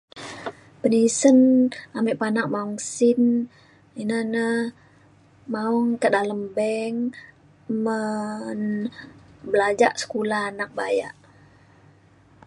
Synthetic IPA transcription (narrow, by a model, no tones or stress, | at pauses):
pənisənamiʔpanak̚maɔŋsɪn | inənəh | maɔŋkədaləmbɛŋ | mən | bəlad͡ʒaʔsə̥kulaanak̚baja̰ʔ